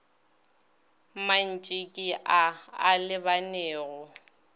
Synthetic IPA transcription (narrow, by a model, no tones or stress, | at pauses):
man̩t͡ʃʼɪkʼɪʔaalɪbanɛːɣʊ